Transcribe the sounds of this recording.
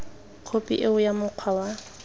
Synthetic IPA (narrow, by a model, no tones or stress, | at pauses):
q͡χʰopʼḭʔeʊjamʊq͡χʰwawa